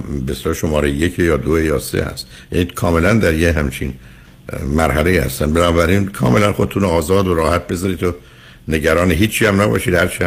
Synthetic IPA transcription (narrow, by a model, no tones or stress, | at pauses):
beselɒːʃo̞mɒːɾejjecʰejɒːd̪oejɒːsḛhæ̰st̪ | jæ̰ːnikʰɒːme̞lænd̪æɾjeɦæmt͡ʃʰḭn | mæɾɦæle̞jiːhæ̰st̪ænbenɒːbæɾinkʰɒ̰ːme̞lænxod̪et̪ʰunoɒːzɒːd̪oɾɒːhæt̪̚be̞zɒːɾit̪ʰo | ne̞ɟæɾɒːneɦiːt͡ʃʰːiæmnæbɒ̰ːʃiːd̪hæɾt͡ʃʰiæ